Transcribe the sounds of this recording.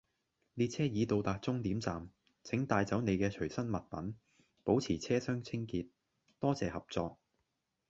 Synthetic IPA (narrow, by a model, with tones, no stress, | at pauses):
liː˨˧t̚t͡sʰɛː˥jiː˨˧t̪o˨wt̪aː˨k̚t͡sʊ˥ŋt̪iː˨˥mt͡saː˨m | t͡sʰɪ˨˥ŋt̪aː˧jt͡sɐ˨˥wne˨˧jkɛː˧t͡ʃʰɵ˨˩ɥsɐ˥nmɐ˨t̚pɐ̰˨˥n | po˨˥wt͡sʰiː˨˩t͡sʰɛː˥sœː˥ŋt͡sʰɪ˥ŋkiː˧t̚ | t̪ɔː˥t͡sɛː˨hɐ˨p̚t͡sɔː˧k̚